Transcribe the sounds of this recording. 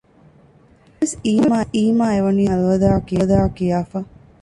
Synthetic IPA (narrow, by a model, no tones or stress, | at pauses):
esiːmaːʔiːmaːeʋɐniːɐluʋɐd̪aːɐkijɐd̪aːkijaːfɐ